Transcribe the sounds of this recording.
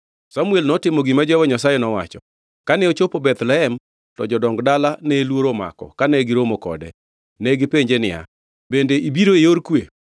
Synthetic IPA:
samuɛlnɔtɪmoɡimad͡ʒɔɛwɔɲasajɛnɔwa̰t͡ʃɔ | kanɛot͡ʃopobɛt̪lɛɦɛm | tɔd͡ʒɔdɔŋɡdalanɛlwoɾoma̰kɔ̰kanɛɡɪɾomokɔ̰dɛ | nɛɡɪpeɲd͡ʒenɪja̰ | bendeʔibiɾoejoɾkwe

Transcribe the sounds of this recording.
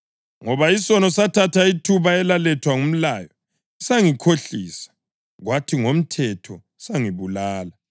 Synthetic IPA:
ŋɔβaisɔnɔsatʰatʰaitʰuβaɛlalɛtʰwaŋum̩laːjɔ | isaŋikʰoɬiːsḁ | ɣwatʰiŋom̩tʰɛtʰɔ | saŋiβulaːla

